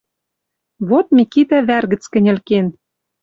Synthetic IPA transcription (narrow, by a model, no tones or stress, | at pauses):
βot̪̚mikit̪æβærɣə̆t͡skɘ̆nʲɘ̆lken